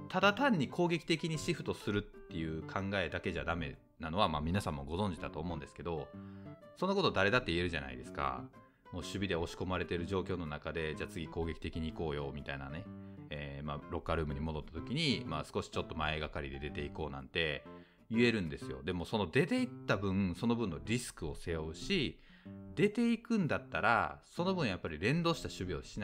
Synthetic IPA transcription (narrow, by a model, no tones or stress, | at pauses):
t̪ad̪at̪ãɲ̟ːikʰo̞ːɡe̞kʲi̥t̪ekʲiɲ̟iɕiɸɯ̟̥t̪o̞sɨɾɯ̟t̪ːe̞jɯ̟ːkʰãŋɡae̞d̪ake̞ʑad̪ame̞̰ | nano̞βamaːmʲinasãmːo̞ɡo̞zõ̞ɲ̟d͡ʑid̪at̪o̞ːmo̞ɯ̃nd̪e̞sɨ̥ke̞d̪o̞ | so̞noko̞t̪o̞d̪aɾe̞d̪at̪ːe̞ie̞ɾɯ̟ʑana̰ḭd̪e̞sɨ̥ka̰ | mo̞ːɕɨbʲid̪e̞o̞ɕi̥ko̞maɾe̞t̪eɾɯ̟ʑo̞ːkʲo̞ːno̞nakad̪e̞d͡ʑaːt͡sɨɡʲiko̞ːɡe̞kʲi̥t̪e̞kʲiɲ̟iːko̞ːjo̞mʲit̪aina̰ne̞eːmaɾo̞kːaɾɯ̟ːmɯ̟ɲ̟imo̞d̪o̞t̪ːat̪o̞kʲiɲ̟imasɨ̥ko̞ɕi̥t͡ɕo̞t̪ːo̞mae̞ɡakaɾʲid̪e̞d̪e̞t̪e̞iko̞ːnã̰nt̪e̞ | jɯ̟e̞ɾɯ̟̃nd̪e̞sɨjo̞̰d̪e̞mo̞so̞no̞d̪e̞t̪e̞it̪ːabɯ̟̃ɴso̞no̞bɯ̟̃nːo̞ɾʲisɨ̥kɯ̟o̞se̞jo̞ɯ̟ɕi | d̪e̞t̪e̞ikɯ̟̃nd̪at̪ːaɾa̰so̞no̞bɯ̃ɰ̃japːaɾʲiɾẽ̞nd̪o̞ːɕi̥t̪aɕɨbʲio̞ɕina